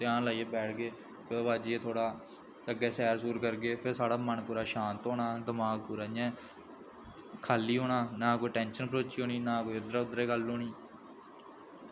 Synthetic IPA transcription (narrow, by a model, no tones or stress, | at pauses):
t̪ɪãːnlaːiebɛːʈʰɡeː | pʰɪɾʋaːd͡ʒːeːt̪ʰoːɽaː | əɡeːsɛːɾsuːɾkəɾɡeːpʰɪɾsaːɽaːmənpuːɾaːʃãːnt̪ɦoːɽaːd̪əmaːɡ̚puːɾaːjɛ̃ː | kʰaːlːiːɦoːɽaːnaːkoːiːʈɛ̃ːnʃənpəɾoːt͡ʃiːɦoːniːnãːkoːiːʊd̪ɾaʊd̪ɾeːɡəlːoːɳiː